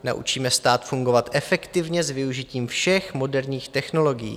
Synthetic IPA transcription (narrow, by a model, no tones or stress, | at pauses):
na̰ʔṵt͡ʃiːmɛst̪aːt̪fuŋɡo̞vat̪ʔɛfɛkt̪ɪvɲɛzvɪuʒɪciːmfʃɛxmo̞dɛɾɲiːxt̪ɛxno̞lo̞ɡɪjḭː